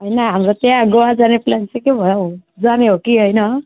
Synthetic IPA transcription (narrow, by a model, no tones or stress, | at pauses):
ɦʌjnʌɦamɾot̪jãɡʌwad͡zaneplant͡sekjebʱʌjod͡zaneɦokiɦojnʌ